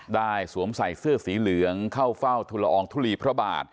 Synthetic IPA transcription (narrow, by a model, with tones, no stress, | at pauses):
daː˥˩jsu˩˦əmsa˨˩jsɯ˥˩əsiː˨˩˦lɯ˨˩˦əŋkʰa˥˩wfa˥˩wt̪ʰu˧la˧ʔɔː˧ŋt̪ʰuː˥˩liː˧pʰɾɔ˦˥ba̰ː˨˩t̪̚